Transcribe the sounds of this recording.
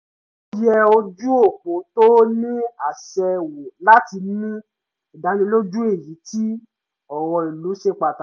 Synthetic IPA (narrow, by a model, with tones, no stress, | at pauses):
jɛ˧o˧d͡ʒu˦o˦˨po˨to˦nĩ˦a˨ʃɛ˧wo˨la˦ti˧nĩ˦ | i˨da˨˦nĩ˧˦lo˦d͡ʒu˦e˦˨ji˨˦ti˦ | ɔ˨wɔ˧i˨lu˨˦ʃe˦k͡pa˨ta˨